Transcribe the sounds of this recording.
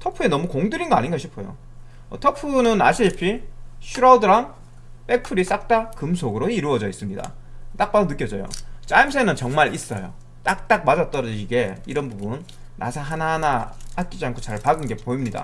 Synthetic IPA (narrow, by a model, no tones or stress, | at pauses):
tʰʌpʰue̞nʌmukoŋdɯɾinɡʌaɲinŋɡʌɕʰipʰojo̰ | ʌtʰʌpʰunɯna̰ɕʰiipʰiɕʰuɾaudɯɾaŋ | p͈e̞pʰɯɾis͈ak̚t͈akɯmsʰoɡɯɾoiɾuʌd͡ʑʌis͈ɯmɲida̰ | t͈ak̚p͈adonɯk͈jʌd͡ʑʌjo̰t͡ɕ͈aimsʰenɯnt͡ɕʌŋmaɾis͈ʌjo̰ | t͈ak̚t͈ak̚mad͡ʑʌt͈̚ʌɾʌɕʰiɡe̞iɾʌnbubunː | a̰sʰaɦanaɦanahat̚k͈id͡ʑiankʰot͡ɕaɭpaɡɯnɡe̞poimɲida̰